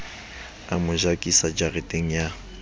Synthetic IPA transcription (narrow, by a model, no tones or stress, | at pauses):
amʊʒakʼisad͡ʒarɪtʼeŋ̩ja